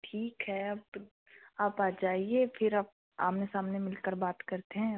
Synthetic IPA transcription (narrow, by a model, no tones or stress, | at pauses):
ʈʰiːkɦɛɐp | aːpaːd͡ʒaːiefʰɪɾaːp̚ | a̰ːmnesaːmnemɪlkəɾbaːt̪kɐɾt̪eɦɛ̃